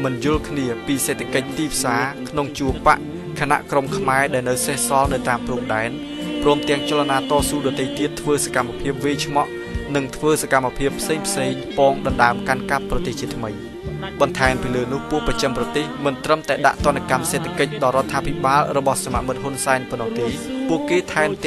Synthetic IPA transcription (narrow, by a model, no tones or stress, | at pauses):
mɨnjʊ̆əlkʰniəpiːseːt̪ʰakəc̚t̪iːpʰsaːkʰnoŋt͡ɕuəpa̰ʔ | kʰana̰ʔkromkʰmaɛɗaɛlnɨwsehsɑlnɨwt̪aːmprumɗaɛn | prɔəmt̪ɛ̆əŋt͡ɕalanaːt̪ɑːsuːɗɑːt̪eːjt̪iət̪ʰːʋəːsakamːapʰiəp̚ʋiːt͡ɕʰmɑʔ | nɨŋt̪ʰʋəːsakamːapʰiəpʰːseːŋpʰseːŋpɑːŋɗɑnɗaəmkankap̚ːrɑt̪eːht͡ɕiət̪ʰmɨj | ɓɑnt̪ʰaɛmpiːləːnʊ̆əhpuəʔprɑt͡ɕəmprɑt̪eːhmɨnt̪rəmt̪aɛɗa̰ʔt̪ŏənːakamseːt̪ʰakəc̚ɗɑɾŏət̪ʰːaːpʰiɓaːlrɔɓɑhsama̰ʔmɨt̪̚ɦunsaɛnponːɔht̪eːpuəʔkeːt̪ʰaɛmt̪